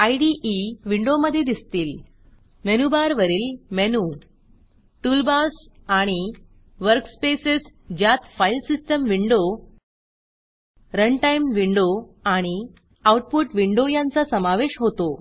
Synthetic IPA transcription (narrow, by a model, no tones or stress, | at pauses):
ajɖiʔiʋiɳɖoməd̪ʱːjed̪ist̪iːl | menubaɾʋəɾiːlmenu | ʈulbasaɽ̃i | ʋəɾkspesesd͡ʑjat̪fajlsisʈəmʋiɳɖo | ɾəɳʈajmʋiɳɖo | aɽ̃i | awʈ̚puʈʋiɳɖojãnt͡sasəmaʋeɕɦot̪o